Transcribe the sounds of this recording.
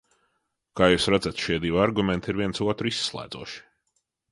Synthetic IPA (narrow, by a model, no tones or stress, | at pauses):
kaːjuːsɾad̪zat̪ʃiɛd̪iwaɾɡumʲɛnt̪iɾvʲiɛntsuɔt̪ɾisːlˠæ̰ːd̪zuɔʃi̥